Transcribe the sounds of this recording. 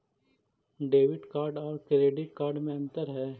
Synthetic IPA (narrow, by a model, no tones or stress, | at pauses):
ɖeːʋɪʈkaːɾɖɔːɾkɾeːɖɪʈ̚kaːɾɖmẽɐ̃nt̪əɾɦɛː